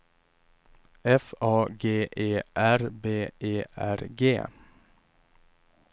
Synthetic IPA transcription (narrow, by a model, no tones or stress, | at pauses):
ɛfɑːɡeːʔeːʔæɾbeːʔeːʔæɾɡḛː